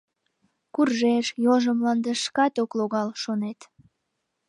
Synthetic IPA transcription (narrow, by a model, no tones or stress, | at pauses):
kurʒeʃjoʒəmlɑnd̪əʃkɑt̪okloɣɑlʃonet̪